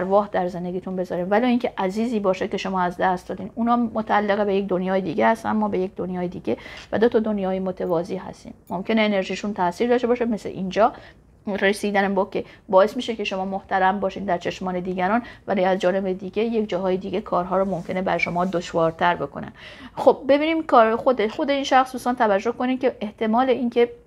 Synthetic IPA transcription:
æɾvɒːhd̪æɾze̞nd̪e̞ɡiːt̪unbe̞zɒːɾiːmvæloːiːŋcʰeʔæziːziːbɒːʃæd̪̚cʲe̞ʃo̞mɒːæzd̪æst̪d̪ɒːd̪iːnuːnɒːmot̪ʰæælːeɣebe̞jec̚d̪o̞njɒːjed̪iːɡehæst̪æ̰nmɒːbe̞jek̚d̪onjɒːjed̪iːɟe̞væ̰d̪o̞t̪ʰɒːd̪o̞njɒːjemot̪ʰevɒːziɦæ̰st̪ḭːmːo̞mcʰe̞neːne̞ɾʒiːʃunt̪ʰæsiːɾd̪ɒːʃt̪e̞bɒːʃæmeslḛʔind͡ʒɒː | ɾesiːd̪ænæmbɒkʰebɒːe̞smiːʃeke̞ʃo̞mɒːmoht̪æɾæmbɒːʃind̪æɾt͡ʃʰe̞ʃmɒːned̪iːɟæɾɒːnvæliæzd͡ʒɒːne̞bed̪iːɡʲe̞je̞kd͡ʒɒːɦɒːjed̪iːɡe̞kʰɒːɾɦɒːɾɔmo̞mcʰe̞ne̞bæɾʃo̞mɒːd̪o̞ʃvɒːɾt̪ʰæɾbe̞kʰo̞̰næ̰nxo̞b̚be̞biːniːmkʰɒɾxod̪exo̞d̪e̞iːnʃæxsd̪uːstɒːnt̪ʰævæd͡ʒːohko̞niːmcʰe̞eht̪ʰe̞mɒːle̞incʰe̞

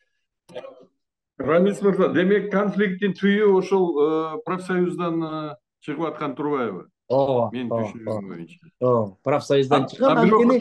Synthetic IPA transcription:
ramisməɾzɑd̪e̞me̞kkʰːonflʲikt̪ːɪnt̪ʰʏjɪoʃolˠəprofsojuzd̪ɑn | t͡ʃʰəʁəpɑt̪̚qɑnt̪ʰʊɾbajevɑ̰ | ome̞nkoo̰jənʃɑopʰrafsɐjuzd̪ɑnt͡ʃʰə̥ɑoee

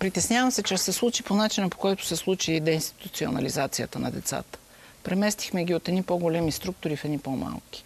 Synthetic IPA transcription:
pɾit̪ɛsnʲjavəmsɛt͡ʃɛsɛslˠut͡ʃiponat͡ʃinəpo̥kɔjt̪ʊ̥sɛslˠut͡ʃiːd̪ɛinst̪i̥t̪ut̪sio̰nɐ̰lizat̪sijət̪ənɐ̰d̪ɛ̰t̪sa̰t̪ə̥ | pɾɛmɛst̪ixmɛɡʲiot̪ɛd̪nipoɡolɛmist̪ɾuk̚t̪ʊɾifɛd̪nipoma̰lˠkʲi̥

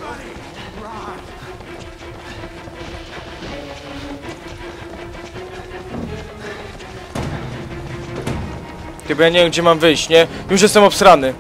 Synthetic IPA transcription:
ɡ̥ɘbɛjaɲevʲjemɡd͡ʑɛmamvɘjɕt͡ɕɲɛjuʂ̬jɛst̪ɛmɔpsɾanɘ

